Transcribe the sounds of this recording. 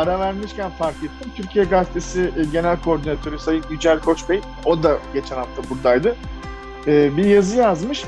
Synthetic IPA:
aɾavæɾmiʃcʰænfaɾkʰɛt̪ʰːimt̪ʰyɾcʰijɛɡaft̪ʰesiʔɟe̞nælʲkʰo̞ɾd̪inat̪ʰø̞ɾysajɯɟyd͡ʒælʲkʰo̞t͡ʃbej | o̞d̪aɟe̞t͡ʃʰɛnhaft̪ʰabuɾd̪ajd̪ɯ | ɛːbijazɯjazmɯʃ

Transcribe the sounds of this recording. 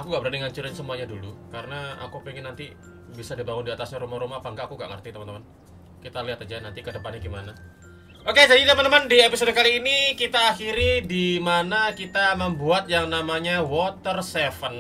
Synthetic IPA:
akuŋɡaʔbəɾadaŋaɲt͡ʃuɾansəmuaɲadulṵkaɾənaa̰kupeŋɪnːant̪i | bisadibaŋʊndiat̪asɲaɾumahɾumaapaŋɡaʔakuŋɡa̰ʔŋə̰rt̪it̪əmant̪əman | kit̪aliɦat̪ad͡ʒanant̪ikədəpanɲaɡimana | ʔokesad͡ʒit̪əmant̪əmandiepisodəkaliːnikit̪aːxiɾidimanakit̪aməmbuat̪̚jaŋnamaɲawɔt̪ərsefən

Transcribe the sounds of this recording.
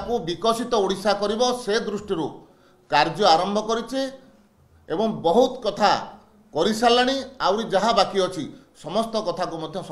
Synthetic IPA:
kubikɔsit̪ɔuɽisakɔɾibɔsed̪ɾusʈiɾu | kaɾd͡ʒɔaɾɔmbʱɔkɔɾit͡ʃʰi | ebɔŋbɔɦut̪kɔt̪ʰa | kɔɾisalaɽ̃iawɾid͡ʒaɦabakiɔt͡ʃʰi | sɔmɔst̪ɔkɔt̪ʰakumɔd̪ʱjɔs

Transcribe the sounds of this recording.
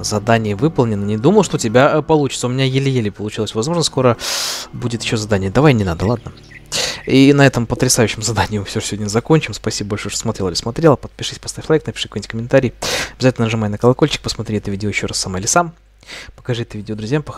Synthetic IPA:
zɐd̪anʲɪjəvɨpəlˠnʲɪnənʲɪd̪uməlˠəʂt̪oʊtʲɪbʲapɐlˠut͡ɕɪ̥t̪səʊmʲɪnʲajɪlʲɪjelʲɪpəlˠʊt͡ɕilˠəsʲvɐzmo̞ʐnsko̞ɾəbudʲɪt̪jɪɕːozɐd̪anʲɪjəd̪ɐvajnʲɪnad̪əlˠad̪nə | inɐɛt̪əmpət̪ɾʲɪsajʉɕːɪmzɐd̪anʲɪjɪmɨfsʲoʐɨ̥sʲɪvodʲnʲəzɐko̞nʲt͡ɕɪmspɐsʲibəbɐlʲʂojʂt̪osmɐt̪ɾʲelˠɪlɪsmɐt̪ɾʲelˠəpət̪̚pʲɪʂɨsʲpɐst̪afʲlˠajknɐpʲɪ̥ʂɨ̥konʲtʲkəmʲɪnt̪aɾʲɪjɐbʲɪzatʲlʲnəʐɨmajnəkəlˠɐko̞lʲt͡ɕɪ̥k̚pəsmɐt̪ɾʲiɛt̪əvʲidʲɪojɪɕːo̞rasːɐmaɪlʲɪsam | pə̥kɐʐɨɛt̪əvʲidʲod̪ɾʊzʲjampəx

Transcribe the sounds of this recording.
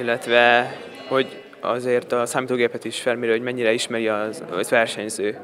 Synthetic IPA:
ilːɛt̪ʋɛ | ho̞ɟ | ɒ̰zeːrt̪ɒsaːmit̪oːɡeːpɛt̪iʃfɛlmiɾøhoɟmɛɲːiɾɛiʃmɛɾiɒz̰zʋɛrʃɛɲzøː

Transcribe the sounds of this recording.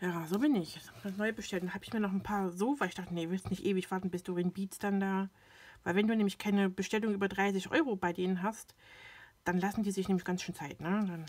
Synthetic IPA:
jaːzoːbɪnɪç̥asnɔʏəbəʃtʰɛltdahaːbɪçmiːɐnɔχn̩pʰaːɐzoːfɐɪçd̥aχtənevɪlstnɪçtʔeːvɪçv̥aɐtn̩bɪstd̥uːʁɛnbiːtsd̥andaː | vaɪlvɛnduːnɛːmlɪçkʰaɪnəbəʃtɛlʊŋʔyːbɐdʁaɪs̬ɪçʔɔ̰ʏʁobaɪdeːnənɦast | d̥anlasn̩diːzɪçnɛːmɪçɡ̥ansʃøːnt͡saɪtnədan

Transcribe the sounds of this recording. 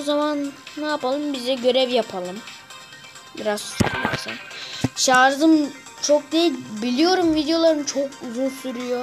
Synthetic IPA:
ozamanːaːpalˠɯmbizd̪ɛɟø̞ɾɛvjapʰalˠɯm | biɾaz̥st͡ʃʰa̰kma̰sa̰nʃaːɾzɯm | t͡ʃʰok̚d̪ejilʲbilʲijo̞ɾumvid̪ejo̞lˠaɾɯnɯt͡ʃʰokuzunsyɾyjo

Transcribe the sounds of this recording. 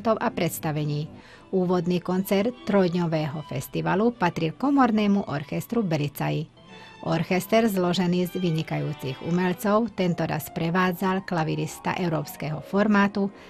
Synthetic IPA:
t̪ɔʊʔapɾɛt̪st̪aʋɛɲiː | uːʋɔd̪niːkɔnt͡sɛɾt̪ːɾɔjd̪ɲɔʋɛːɦɔfɛst̪iʋalupat̪ɾilkɔmɔɾnɛːmuʔɔɾxɛst̪ɾubɛlit͡saji | ʔɔɾxɛst̪ɛɾzlɔʒɛniːzʋiɲikajuːt͡siɣṵmɛʎt͡sɔʊt̪ɛnt̪ɔɾa̰spɾɛʋaːd͡zalklaʋiɾist̪a̰ʔɛʊɾɔːpskɛːɦɔfɔɾmaːt̪u

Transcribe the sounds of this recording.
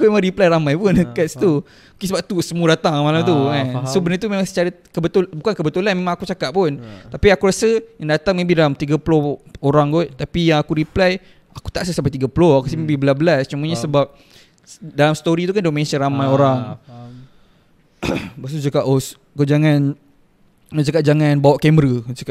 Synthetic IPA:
akumemãŋɾiplajɾamajpʊnəkast̪u | mukisəbap̚t̪usəmũdat̪aŋmalamt̪ukansobənaɾt̪̬umẽmãŋsə̥t͡ʃaɾə | kəbət̪ulbukankəbət̪ulanmemaŋakut͡ʃakaʔpʊnt̪apiakuɾasəjaŋdat̪aŋmẽbihdalamt̪iɡaplohoɾaŋɡɔt̪apijaŋakuɾiplaj | aku̥t̪aʔsəsampat̪iɡapuloakusimẽbibəlabəlast͡ʃumaɲasəbap̚ | dalamsə̥t̪oɾit̪ukandomẽsənɾamajoɾaŋ | basud͡ʒakaʔos | kud͡ʒaŋan | t͡ʃakaʔ̚d͡ʒaŋanbawaʔkɛməɾət͡ʃakʔ

